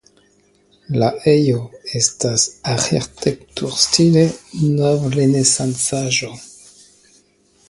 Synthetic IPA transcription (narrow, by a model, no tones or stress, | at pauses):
laʔejoestasaxḛɾtʰektuɾstilenovlenesant͡saʒo